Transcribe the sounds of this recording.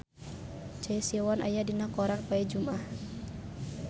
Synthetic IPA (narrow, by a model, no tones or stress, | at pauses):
t͡ʃaisiawanʔa̰jadinakɔɾanpaɛd͡ʒumah